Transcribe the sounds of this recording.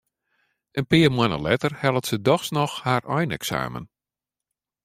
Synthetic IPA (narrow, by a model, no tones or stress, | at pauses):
ənpɪːəmwanə̰lɛtərhɛlˠətsədɔxsnɔxharʔɔjnɛ̰ksa̰ːmə̰n